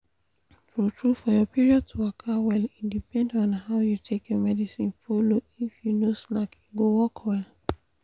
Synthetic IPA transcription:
tɹutɹufɔjɔpiɹiɔd̚tʰuakʰawɛlĩdipɛ̃ndɔ̃nhaʊjutʰekjɔmɛdisĩnfolo | ifjunosnakiɡowɔkwɛl

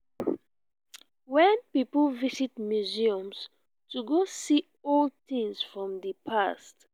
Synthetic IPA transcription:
wɛ̃npiplvisit̚mjuziɔ̃ms | tuɡosi | ɔltĩŋsfɹɔ̃mdəpʰast

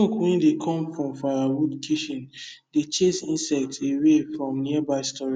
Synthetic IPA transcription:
okwɛ̃ndekʰɔ̃mfɹɔ̃mfaɹaɹudkʰiʃɔ̃n | det͡ʃesĩnsɛk̚tsewefɹɔ̃mniabaɪstɔɹi

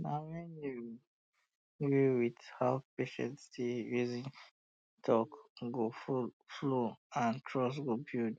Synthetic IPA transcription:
nawɛ̃nju | ɡiwidhaʊpeʃɛ̰̃ntstijuzĩn | tʰɔkɡofufloãntʰɹɔs̬ɡobild

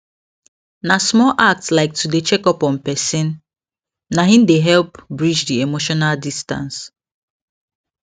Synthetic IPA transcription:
nasmɔlʔak̚tslaɪk̚tudet͡ʃɛkɔpɔ̃npɛsĩnː | aɦĩmdeɦɛlpbɹid͡ʒdiemoʃɔnaldistã̰ns

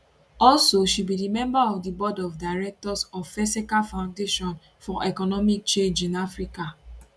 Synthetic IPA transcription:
ɔlsoʃibidimɛ̃mbaɔvdibɔdɔfdaɪɹɛk̚tɔsɔvfɛsikalfãʊ̃ndeʃɔ̃n | fɔʔɛkɔnɔmik̚t͡ʃẽnd͡ʒĩnafɹika

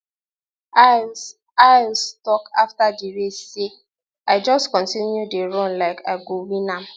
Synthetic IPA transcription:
aɪlstɔkaftadiɹesːe | aɪd͡ʒɔstkɔ̃ntĩnjudeɹɔ̃nlaɪkʰaɪɡowĩnãm

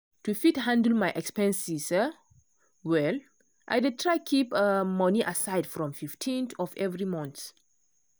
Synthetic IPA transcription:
tufithãndəl̩majʔɛkspɛ̃nsisə | wɛl | ʔa̰jdɪtʰɹajkʰipəmʌniʔasaɪdfɹɔ̃mfiftʰĩnθɔfɛvɾɹimɔ̃nt̪s

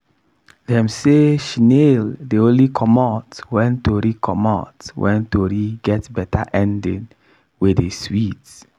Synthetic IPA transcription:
dɛ̃mseʃineldeõnlikʰɔmɔtwɛ̃ntoɾikʰɔmɔ̰twʔɛ̰̃ntoɾiɡɛtbɛtaʔɛ̃ndɛd | wɪdeswit

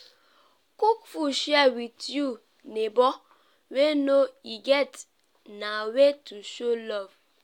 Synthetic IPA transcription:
kukfuʃjɛwitju | nebɔ | wenoiɡɛt | nawetuʃolɔv

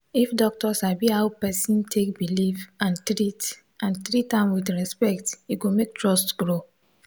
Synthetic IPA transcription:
ifdɔk̚tɔsabihaʊpɛsĩntʰek̚bilifãntɹit | ʔãntɹitãmwidɹɛspɛktiɡomek̚tʰɹɔstɡɹo

